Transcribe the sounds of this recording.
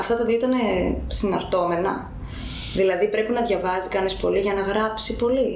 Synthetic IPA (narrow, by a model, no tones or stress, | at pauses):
ɐft̪ɐt̪ɐðioit̪ɐnesinɐɾt̪o̞me̞nɐ̰ | ðilɐðipɾe̞pinɐðʝɐvɐzikɐnispo̞liʝɐnɐɣɾɐpsipo̞li